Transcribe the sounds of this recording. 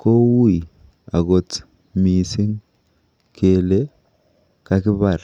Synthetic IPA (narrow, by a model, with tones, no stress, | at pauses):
ko˦wu˦i˨ | a̰˨ɡo˨t | mi˨si˦ŋ | kʰe˨le˦ | ka˦kɪ˦βa˨ɾ